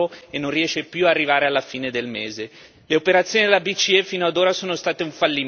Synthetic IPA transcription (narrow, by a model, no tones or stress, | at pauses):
oenːõnriɛːʃːepjuarːivaːɾealːafiːned̪elmeːze | leopeɾat̪sːjoːnid̪elabit͡ʃiɛfiːnoad̪oːɾasoːnost̪aːt̪euɱfalːi